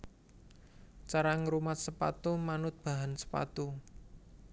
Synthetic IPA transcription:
t͡ʃaɾaŋɾumat̪̚səpa̰t̪umanʊt̪̚b̥a̤ɦansə̥pa̰t̪u

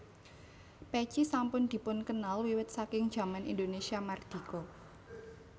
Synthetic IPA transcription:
pɛt͡ʃisampʊnd̪̥i̤pʊnkənalwiwɪt̪̚sakɪŋd̥d͡ʒʒ̥a̤manʔḭnd̪onesiamard̪̥i̤kɔ

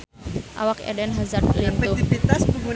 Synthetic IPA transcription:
ʔa̰wakɛ̰dɛnɦazart̪̚lɪntuifit̪asbəŋɡu

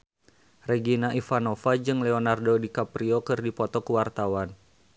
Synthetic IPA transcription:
rɛɡinaʔifanofad͡ʒɨŋlɛonardodikapɾiokɨrdipɔt̪ɔkuwart̪awan

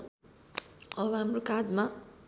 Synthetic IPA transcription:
ʌβʌɦamrokad̪ma

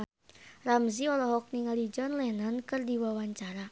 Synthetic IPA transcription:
ramziɔlɔɦɔk̚niŋalid͡ʒɔnlɛnankɨrdiwawaɲt͡ʃaɾa

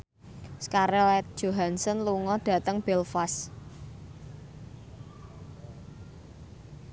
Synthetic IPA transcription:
skaɾeɛt̪̚d̥ʒ̥o̤ɦansɔnluŋɔd̥ä̤t̪əŋb̥ɛlfas

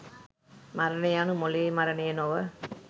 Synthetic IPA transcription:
mɐɾɐnɐjaːnɯmoliemɐɾɐnɐjɐnoʋɐ

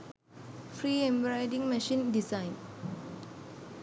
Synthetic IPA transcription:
fɾiːẽmbɹaɪdĩŋmɛʃĩndisãɪ̃n

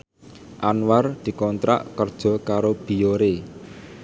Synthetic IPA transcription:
ʔanward̪̥i̤kɔnt̪ɾa̰ʔkərd̥ʒ̥ɔ̤kaɾob̥i̤joɾe

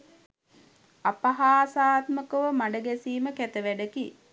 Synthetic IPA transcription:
apaɦaːsaːt̪məkəʋəmaɖəɡæsiːməkæt̪əʋæɖəki

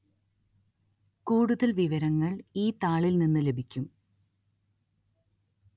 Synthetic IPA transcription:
kuːɽuðɐlʋiʋɐɾɐŋːɐɭiːt̪aːɭilninːɨle̞bʱikʲːum

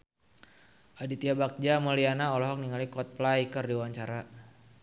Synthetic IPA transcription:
ʔadit̪iabak̚d͡ʒamɔlianaɔlɔɦɔk̚niŋalikɔt̪̚plajkərdiwaɲt͡ʃaɾa

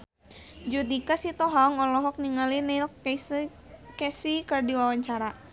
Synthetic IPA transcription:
d͡ʒud̪ikasit̪ɔɦaŋɔlɔɦɔk̚niŋalinel | kɛsikərdiwawaɲt͡ʃaɾa

